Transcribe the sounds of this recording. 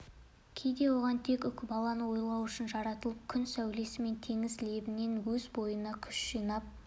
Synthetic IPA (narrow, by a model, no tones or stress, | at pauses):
kʲʰe̞jd̪e̞wo̞ʁɑnt̪ʰe̞kʏkʲɪbɑlˠɑnəwo̞jlˠɑwʏʃɪnʒɑɾɑt̪əlˠəp̚kʲʰʏnsæwle̞sɪme̞nt̪ʰe̞ŋɪzle̞bɪne̞nwɵzbo̞jənɑkʲʰʏ̥ʃʒijnɑp̚